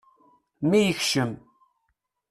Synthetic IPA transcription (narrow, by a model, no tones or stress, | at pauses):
mijəçʃəm